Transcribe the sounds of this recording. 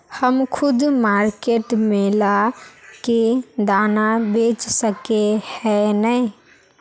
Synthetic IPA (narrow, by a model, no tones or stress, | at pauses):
həmkʰʊd̪maɾkeʈmelaked̪anabet͡ʃsəkehɛnə